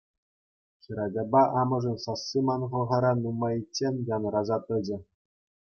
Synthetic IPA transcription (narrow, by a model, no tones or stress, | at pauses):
χʲĭɾɑdʲɑbɑʔɑmɤ̆ʐɤ̆nsɑsːimɑnʁɤ̆ʁɤ̆ɾɑnumɑjit͡ɕʲːenʲjɑnrɑzɑt̪ɘ̆d͡ʑɘ̆